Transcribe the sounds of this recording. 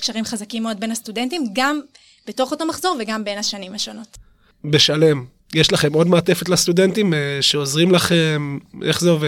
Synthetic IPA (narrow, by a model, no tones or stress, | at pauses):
kʃaʁimχazakimːeo̞d̪̚be̞nhastudentimɡam | b̥eto̞χo̞to̞maχzo̞ʁveɡambe̞naʃanimhaʃo̞no̞t | be̞ʃale̞m | jeʃlaχe̞mo̞dmaːte̞fe̞t̪last̪ude̞ntimeʃeozʁimlaχemʔe̞̰χzeo̞ve